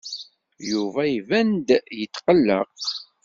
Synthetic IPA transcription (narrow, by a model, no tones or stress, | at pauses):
juvæjvænd̪jət̪ːqəlːə̰q